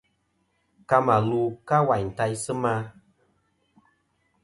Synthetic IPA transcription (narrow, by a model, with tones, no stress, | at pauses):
ka˧ma˨luː˨˦ka˦wa˨ɲ̩˨ta˧jsɨ˦ma˦